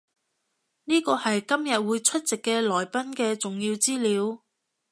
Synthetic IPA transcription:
niː˥kɔː˧hɐ˨jkɐ˥mjɐ˨t̚wuː˨˧jt͡ʃʰɵ˥t̚t͡sɪ˨kːɛː˧lɔː˨jpɐ˥nkɛː˧t͡sʊ˨ŋjiː˧wt͡siː˥liː˨˧w

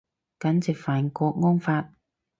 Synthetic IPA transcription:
kɐ˨˥nt͡si˨˩k̚faː˨˩nkɔː˧k̚ŋɔː˥ŋfaː˧t̚

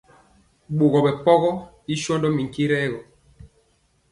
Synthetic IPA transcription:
ɓo˨ɣɔ˨bɛ˨pɔ˦ɣɔ˦ | i˦ʃɔ˦ndɔ˦mi˨ŋ̩˨ki˦ɾɛ˦ɣɔ˨

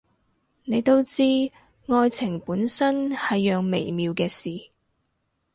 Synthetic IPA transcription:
ne˨˧jt̪o˥wt͡siː˥ | ŋɔː˧jt͡sʰɪ˨˩ŋpuː˨˥nsɐ˥nhɐ˨jːœː˨ŋme˨˩jmiː˨˧wkɛː˧siː˨˩

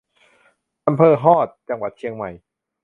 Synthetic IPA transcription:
ʔa˧mpʰɤː˧ɦɔː˥˩t̪̚t͡ɕa˧ŋwa˨˩t̪̚t͡ɕʰi˧əŋma˨˩j

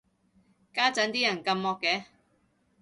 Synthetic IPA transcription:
kaː˥t͡sɐ˨˥nt̪iː˥jɐ˨˩nkɐ˧mːɔː˧kːɛː˨˥

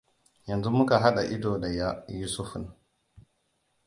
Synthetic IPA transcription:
ja˨nzu˦mu˦ka˨ɦa˦ɗa˨ʔi˦do˨da˨ja˦ju˦su˦fu˨n

